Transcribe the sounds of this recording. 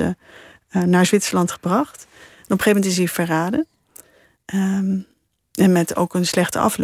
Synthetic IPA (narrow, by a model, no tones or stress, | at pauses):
ə̰ | naːɹzʋɪtsəlɑntχəbrɑχt | nɔpəχejmɛntɪsifəraːdə | ʔə | ɛnmɛto̰wkənslɛχtə̰ʔɑ̰fl